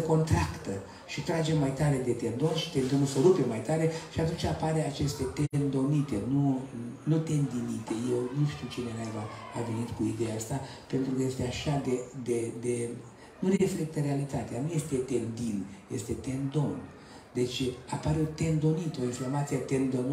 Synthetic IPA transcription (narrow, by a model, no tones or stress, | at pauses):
əko̞nt̪ɾakt̪ə | ʃit̪ɾad͡ʒe̞mːajt̪aɾe̞d̪e̞t̪e̞nd̪o̞nʃi̥t̪e̞nd̪onulsoɾupemajt̪aɾe̞ʃiat̪unt͡ʃapaɾe̞at͡ʃe̞st̪e̞t̪end̪o̞nit̪e̞nunut̪e̞nd̪init̪e̞jewnuʃt̪iwt͡ʃinenajvaave̞nit̪kuid̪ejaast̪a | pe̞nt̪ɾukəje̞st̪eaʃad̪ed̪ed̪e | nuɾefle̞k̚t̪əɾe̞alit̪at̪eanuje̞st̪e̞t̪e̞nd̪injest̪e̞t̪e̞nd̪o̞n | d̪e̞t͡ʃapaɾeot̪e̞nd̪o̞nit̪o̞informat̪siet̪e̞nd̪on